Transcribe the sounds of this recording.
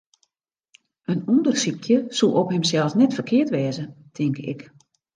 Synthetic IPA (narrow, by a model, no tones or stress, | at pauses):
ənundərsikʰjəsuʔophɪmsɛlˠsnɛtfərkʰɪətʋɛːzətʰɪŋkɪ̰k